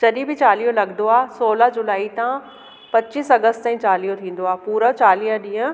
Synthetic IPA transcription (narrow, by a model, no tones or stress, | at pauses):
d͡ʑɐɗĩbɪt͡ɕaːlijõlɐɡnd̪oaːsoːləɦd͡ʑʊlaːit̪ã | pɐt͡ɕiːsɐɡəst̪t̪aĩt͡ɕaːlijot̪ʰĩːn̆d̪oaːpuːɾət͡ɕaːliːəɗĩːə̃